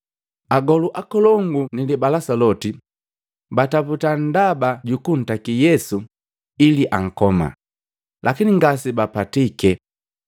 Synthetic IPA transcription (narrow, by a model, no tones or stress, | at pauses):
aɡɔluʔakɔlɔŋɡunilibalasalɔti | bataputan̩dabaɟukun̩takijɛsu | iliʔaŋ̩kɔma̰ | lʔakiniŋɡasibapatikɛ